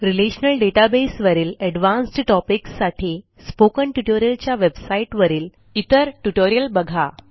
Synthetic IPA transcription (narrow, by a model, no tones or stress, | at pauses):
ɾileɕnəlɖeʈabesʋəɾiːlɛɖʋãnsʈʈɔpiksːaʈʰi | spokəɳʈuʈoɾijəlt͡ɕjaʋebsaiʈʋəɾiːl | it̪əɾʈuʈoɾijəlbəɡʱa